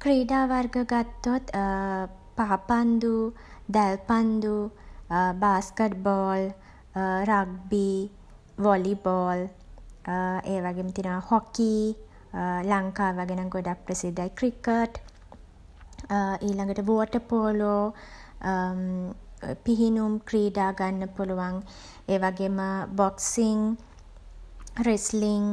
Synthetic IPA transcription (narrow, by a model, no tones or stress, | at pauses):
kɾiːɖaːʋarɡəɡat̪ːot̪ | paːpand̪u | d̪ælpand̪u | baːskeʈbɔːl | ɾaɡ̚bi | ʋɔlibɔːl | eːʋaɡeːmət̪inəmahɔki | laŋkaːʋaɡenaŋɡoɖak̚prəsid̪ːajkrikəʈ | iːlaŋɡəʈəʋoːʈəpoːlo | piɦinumkɾiːdaːɡanːəpuluʋaŋ | eːʋaɡeːməbɔksiŋ | ɾesliŋ